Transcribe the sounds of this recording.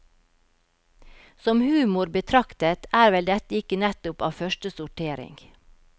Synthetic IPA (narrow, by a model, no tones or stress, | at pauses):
sɔmhʉːmʊɾbət̪ʰɾɑkt̪ət̪æːɾʋɛld̪ɛt̪əɪkənɛt̪ʊpɑ̰ːʋfœʃʈəsʊʈʰeːɾɪ̰ŋɡ